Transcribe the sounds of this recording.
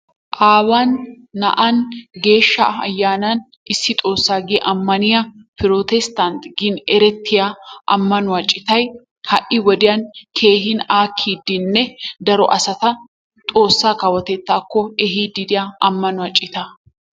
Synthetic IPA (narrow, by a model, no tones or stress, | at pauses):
ʔaːwanː | ɐ̰ʔɐnɡe̞ːʃːɐ̰ɐ̰jːaːnɐn | ʔɪsːɪt̪ʼo̞ːsːaːɡɪjʔɐmːɐnɪjɐpɪɾot̪ɛst̪ɐnt̪ɡɪnɛɾɛt̪ʰːɪjaʔɐ̰mːɐnʊɐt͡ʃʼːɪt̪ɐj | hɐʔɪwɔd̪ɪjɐnkʰe̞ːɦɪnaːkʰːiːd̪ːɪnːɛd̪ɐɾɔʔɐsɐt̪ɐ | t̪ʼo̞ːsːaːkɐwɐt̪ɛt̪ːaːkːɔɛɦiːd̪ɪd̪ɪjaɐmːɐnʊɐt͡ʃʼːɪt̪ɐ